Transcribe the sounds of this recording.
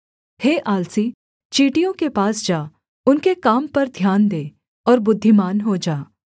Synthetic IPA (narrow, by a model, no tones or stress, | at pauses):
heːʔaːlsiː | t͡ʃiːʈijõkepaːsd͡ʒaː | ʊnkekaːmpɐɾd̪ʱjaːnd̪eː | ɔːɾbʊd̪ʱːimaːnɦod͡ʒaː